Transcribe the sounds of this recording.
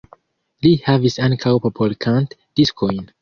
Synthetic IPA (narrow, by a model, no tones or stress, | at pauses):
lihavisãŋkʰawpopʰolkʰãntd̥iskʰojn